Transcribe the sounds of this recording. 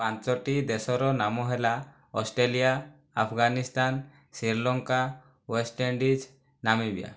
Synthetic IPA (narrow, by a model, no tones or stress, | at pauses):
pãt͡ʃɔʈid̪esɔɾɔnamɔɦɛla | ɔsʈɾelijaː | pʰɡanist̪an | siɾlɔŋka | wesʈeɳɖid͡ʒ | namibija̰